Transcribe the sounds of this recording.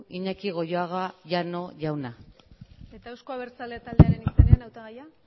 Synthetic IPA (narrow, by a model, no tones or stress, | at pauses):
iɲakiɣ̞o̞joaɣaʝano̞ʝawna | e̞t̪aewskoaβeɾt͡salet̪ald̪e̞aɾe̞niseneanawt̪aɣaja